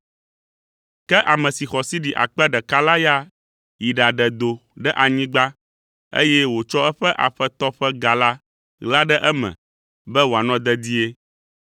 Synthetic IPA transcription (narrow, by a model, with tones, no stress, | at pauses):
kɛ˦ʔa˨mɛ̃˨si˨xɔ˨si˦ɖi˨ʔa̰˨k͡pɛ˦ɖɛ˨ka˦la˦ja˦ | ji˨ɖa˨ɖɛ˨d̪o˨ɖɛ˦ʔa˨ɲĩ˦ɡ͡ba˦ | ḛ˦jɛ˦wo˨t͡ʃɔ˦ɛ˦ɸɛ˦ʔa̰˨ɸɛ˦t̪ɔ˦ɸɛ˦ɡa˨la˦ | ɣla˦ɖɛ˦ʔɛ˦mɛ̰̃˨ | bɛ˦wo˨a˨nɔ̃˦d̪ɛ˦d̪i˦e˦